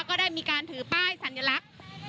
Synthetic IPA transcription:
kɔː˥˩daː˥˩jmiː˧kaː˧nt̪ʰɯː˩˦paː˥˩jsa˩˦nja˧la˦˥k̚

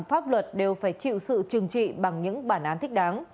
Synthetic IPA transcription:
mfaː˦˥p̚lwə˨˩t̚ɗe˨˩wfaː˧˩jt͡ɕḭ˧˨wsɨ̰˧˨t͡ɕɨ˨˩əŋt͡ɕḭ˧˨ɓa˨˩ŋɲɨ̰˧˥ŋɓaː˧˩nʔaː˨˦nt̪ʰï˦˥k̟̚ɗaː˨˦n

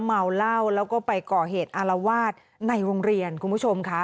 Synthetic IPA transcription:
mːa˧wla˥˩wlɛː˦˥wkɔː˥˩pa˧jkɔː˨˩ɦeː˨˩t̪̚ʔa˧la˧waː˥˩t̪̚ | na˧jɾoː˧ŋɾi˧ənkʰu˧npʰu˥˩t͡ɕʰo˧mkʰa˦˥

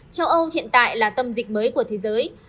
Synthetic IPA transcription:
t͡ɕa˧wʔə˧wthḭ˧˨ənt̪a̰ː˧˨jlaː˨˩t̪ə˧mzï˨˩k̟̚məː˨˦jku˧˩ət̪ʰe˨˦zəː˨˦j

